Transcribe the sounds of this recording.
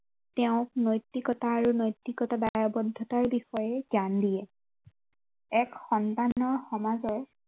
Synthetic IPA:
tɛʊ̃knojtːikɔtaːɹunojtːikɔtadajɔbɔdʱːɔtaɹbixɔjɛzandijɛ | ɛkxɔntanɔɹxɔmazɔɹ

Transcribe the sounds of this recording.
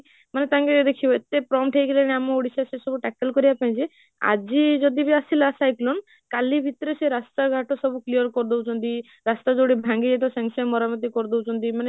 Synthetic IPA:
manet̪aŋkeed̪ekʰibɔet̪epɾɔmʈʰejkʰilaneamɔoɽisasesɔbuʈɛkelkɔɾibapaĩt͡ʃʰi | a̰d͡ʒid͡ʒɔd̪ibiasilasajklɔn | kalibʱit̪ɾeseɾast̪aɡʱaʈɔsɔbuklijɔɾkɔɾd̪owt͡ʃʰɔnt̪i | ɾast̪ad͡ʒoɽibʱãŋɡieʈ̪ɔsãŋsamɔɾamɔt̪̬ikɔɾd̪ɔwt͡ʃʰɔnt̪imane

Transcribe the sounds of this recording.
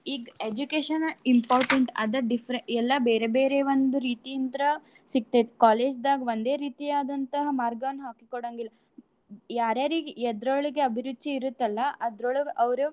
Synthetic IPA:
iːɡed͡ʒukeːʃɐnimpaːɾʈeɳʈɐ̰d̪ɐɖifʰɾeɛlːɐbeːɾebeːɾeʋond̪uɾiːt̪ijint̪ɐɾɐ | siɡ̚t̪ekaːle̞ːd͡ʒd̪aːɡɐʋond̪e̞ːɾiːt̪ijaːd̪ɐnt̪ɐɦɐmaːɾɡɐʋɐnːɦaːkikɔɽɐːŋɡilːɐ | jaːɾjaːɾiɡɛd̪ɾoɭiɡeɐbʱiɾud̪ːt͡ʃiiɾut̪ːɐlːɐɐd̪ɾoɭuʔɐʋɐɾu

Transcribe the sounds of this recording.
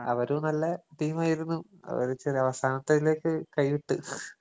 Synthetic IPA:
ɐ̰ʋɐɾunɐlːɐʈiːmaːjiɾunːuɐ̰ʋɐ̰ɾut͡ɕeriɐʋɐsaːnɐt̪ːɐile̞ːkːɨkɐjʋiʈːu

